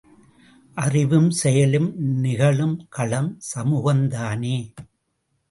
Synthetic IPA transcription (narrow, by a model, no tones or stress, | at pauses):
ʔɐrɪʋɯmsɛjɐlɯmnɪɣɐɭɯmkɐɭɐmsɐmuːɣɐnd̪aːneː